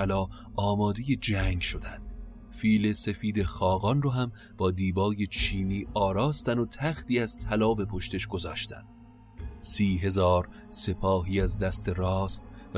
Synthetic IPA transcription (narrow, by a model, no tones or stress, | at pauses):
lɒː | ɒːmɒːd̪e̞je̞d͡ʒæŋɡʃo̞d̪ænd̥̪ | fiːle̞se̞fiːd̪e̞xɒːɣɒnroːɦæm | b̥ɒːd̪iːbɒːje̞t͡ʃʰiːniːʔɒːɾɒːst̪ænot̪ʰæxt̪iːæz̥t̪ʰælɒːbe̞pʰoʃt̪e̞ʃɡo̞zɒːʃt̪æ̰nd̪ | siːɦe̞zɒːɾ | se̞pʰɒːɦiːæzd̪æst̪e̞ɾɒːst̪v